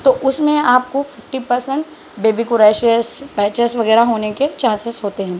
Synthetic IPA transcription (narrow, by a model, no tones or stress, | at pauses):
t̪oʔʊsmẽaːp̚kofɪfʈipɐɾsə̃ɳʈ | beːbikʊɾɛːʃiəspɛːt͡ʃəsʋɐɣɛːɾaɦoːneket͡ʃãːnsɪsɦoːt̪eɦɛ̃ː